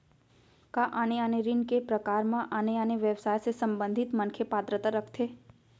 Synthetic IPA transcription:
kaʔaːneaːneɾɪnkepɾəkaːɾmãʔaːneaːneʋjɛʋsaːjsesə̃mbə̃nd̪ʱɪt̪mənkʰjepaːt̪ɾət̪aɾəkʰt̪ʰeː

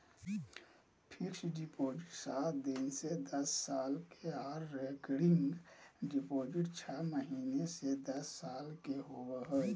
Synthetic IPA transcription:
pʰikʃɖipoːd͡ʒɪʈsaːt̪d̪insed̪əsːaːlkeaːɾːekɽiŋɡɖipoːd͡ʒɪʈt͡ʃʰəməɦiːnesed̪əsːaːlkeɦoɡəɦə

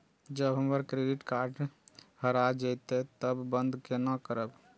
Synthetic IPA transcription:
d͡ʒəbɦəməɾkɾeɖiʈkaɾɖhəɾad͡ʒəjt̪et̪əbːənd̪kenakəɾəb

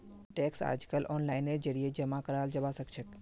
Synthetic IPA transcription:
ʈeksa̰d͡ʒkəlʔɔnlaɪneɾd͡ʒəɾied͡ʒəmakəɾald͡ʒəʋasəkt͡ʃʰək

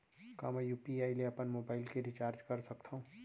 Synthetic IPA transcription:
ka̰ːmɛjuːpiaːileɐpənmoːbaːɪlkeɾit͡ʃaːɾd͡ʒkɐɾsɐkt̪ʰaũ

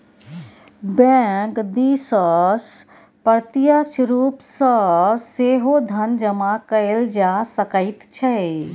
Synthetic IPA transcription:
bɛ̃kd̪isəs | pəɾt̪ijəkt͡ʃʰɾupsəseɦod̪ʱənd͡ʒəmakəɪld͡ʒasəkəɪt̪t͡ʃʰɛ

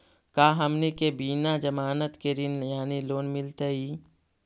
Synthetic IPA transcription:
kaːɦɐmnekebiːnad͡ʒɐmaːnət̪ked̪ɪnjaːniloːnmɪlt̪əiː

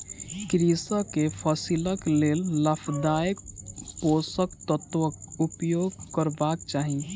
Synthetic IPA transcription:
kɾisəkepʰəsiləkleːlːəpʰd̪aːjək̚poːsək̚t̪ət̪ʋəkupjoːɡ̚kəɾbaːkt͡ʃaːɦi

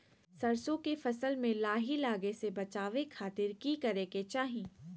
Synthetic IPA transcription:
sɐɾsõkefɐsəlmẽlaːɦilaːɡesebɐt͡ʃaːʋekʰaːt̪ɪɾkikɐɾeket͡ʃaːɦĩː

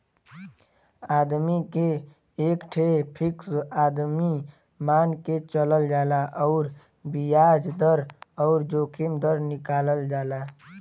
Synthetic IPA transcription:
aːd̪mike | ekʈʰepʰiksaːd̪mi | maːnket͡ʃələld͡ʒaːlaʔɔʊɾ | bijad͡ʒd̪əɾɔʊɾd͡ʒoːkʰimd̪əɾnikaːləld͡ʒaːla

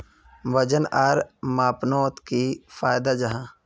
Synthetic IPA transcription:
ʋəd͡ʒənaɾmaːpnoːt̪kifʰaːjd̪ad͡ʒɐɦãː

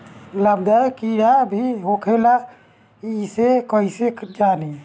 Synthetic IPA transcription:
ləbd̪ajkiɾabʱiɦokʰela | isekəised͡ʒaːni

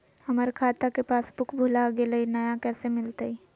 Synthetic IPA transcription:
hɐməɾkʰaːt̪akepaːsbʊkʰbʱʊlaɡelɐinɐjakɛːsemɪlt̪ai

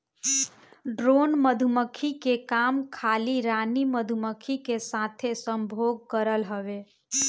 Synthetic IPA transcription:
ɖɾonməd̪ʱuməkʰikekamkʰaliɾaniməd̪ʱuməkʰikesat̪ʰesəmbʱoɡ̚kəɾəlɦəʋe

